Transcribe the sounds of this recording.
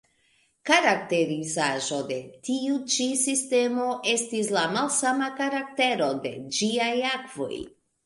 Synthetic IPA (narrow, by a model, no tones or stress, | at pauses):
kaɾak̚te̞ɾizaʒo̞de̞tiut͡ʃisiste̞mo̞ʔe̞stislamalsamakaɾak̚te̞ɾo̞de̞d͡ʒiajakv̥o̞̰j